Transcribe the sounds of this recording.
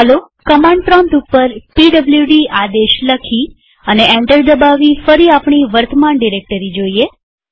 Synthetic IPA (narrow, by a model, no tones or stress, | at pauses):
ɦəlo | kəmãɳɖfɾɔ̃nt̪upːəɾpiɖəbljuɖiad̪eʃləkʰi | əneʔẽɳʈəɾd̪əbaʋifəɾiapɳ̃iʋəɾt̪əmanɖiɾek̚ʈəɾid͡ʒoie